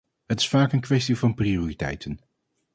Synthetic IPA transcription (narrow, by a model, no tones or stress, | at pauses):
ɦətɪ̥sfaːkənkʋɛstivɑnprioːritɛ̰jtʰən